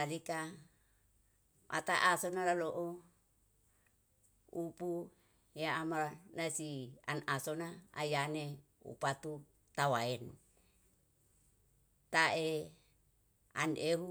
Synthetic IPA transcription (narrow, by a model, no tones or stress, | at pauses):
alika | ʔa̰t̪aʔasonalaloʔo | upu | jaamanasianasonaa̰jane | ṵpat̪u | t̪awaɛn | t̪ae | a̰neɦu